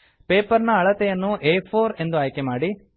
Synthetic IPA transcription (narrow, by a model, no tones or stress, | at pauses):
peːpɐɾnɐːɭɐt̪ɛjɐnːuʔeːpʰoːɾe̞nd̪uaːjkemaːɽi